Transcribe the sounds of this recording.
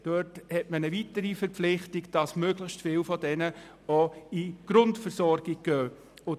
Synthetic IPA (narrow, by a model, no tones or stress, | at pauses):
d̥øthɛtmənəvitəɾifəɾpflɪχtiɡd̥ɑsmøːɡləçstfɪːlfɔdɛnə | oiɡ̥ɾʊntfəɾsɔɾɡ̥iɡ̚ɡ̥øː | ʊ